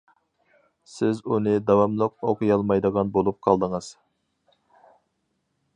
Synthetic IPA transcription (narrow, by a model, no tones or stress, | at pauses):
sɪzunɨd̪ɑwɑmlˠʊq̚oqʰʊjɑlˠmɑjd̪əʁɑnbolˠup̚qʰɑlˠd̪əŋəz̥